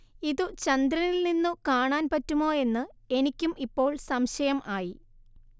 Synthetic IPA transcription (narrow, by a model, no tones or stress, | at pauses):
iðut͡ɕɐnd̪ɾɐnilninːukaːɳaːnpɐtːumo̞ːe̞nːɨ | e̞nikʲːumʔipːo̞ːɭsɐmɕɐjɐmʔaːji